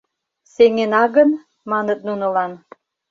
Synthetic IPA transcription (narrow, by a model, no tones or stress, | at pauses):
seŋenɑɣən | mɑnət̪̚nunŏlɑn